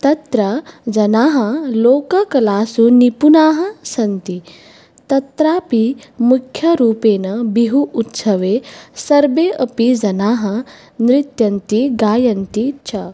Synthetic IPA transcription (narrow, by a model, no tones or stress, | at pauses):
t̪ɐt̪ɾɐd͡ʒɐnaːɦɐloːkɐkɐlaːsunipunaːɦɐ̆sɐnt̪i | t̪ɐt̪ɾaːpimukʰjɐɾuːpeːnɐbiɦuːt̪sɐʋeːsɐɾbeːʔɐpid͡ʒɐnaːɦɐ | nɾɪt̪jɐnt̪iɡaːjɐnt̪it͡ʃʰɐ